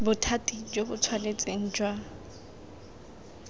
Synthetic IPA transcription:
bʊtʰatʼid͡ʒobʊt͡sʰwalet͡sʼeŋ̩d͡ʒwa

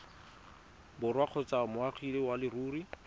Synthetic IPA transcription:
bʊrwaq͡χʰɔt͡samʊaχʰilɪwalɪruːri

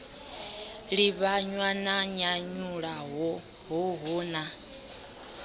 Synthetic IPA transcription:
ɺiβaɲwanaɲaɲuɺaɦɔ | ɦɔɦɔːna

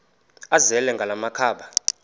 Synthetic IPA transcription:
azɛlɛŋɡʱalamakʰaːɓa

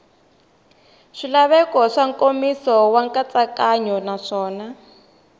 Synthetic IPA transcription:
ʂilaβɛkɔʂaŋkomisɔwaŋkʼat͡sakaɲɔnaʂɔːna

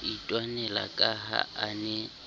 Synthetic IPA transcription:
itʼwanɛla̰kʼaɦa̰anɛ

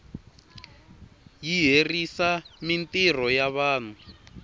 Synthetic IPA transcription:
jiɦerisamintir̤ɔjaβaːn̤u

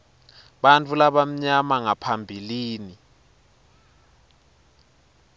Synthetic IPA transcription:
ɓant͡fʼʰulaɓam̩ɲamaŋapʰambʱiliːni

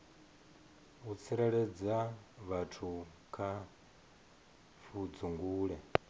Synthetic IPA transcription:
ut͡sʰiɾaɺɛd͡zaβatʰu | kʰa | fud͡zuŋɡuːɺɛ

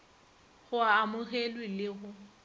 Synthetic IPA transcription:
ɣʊaamʊɣelwɪlɪɣʊ

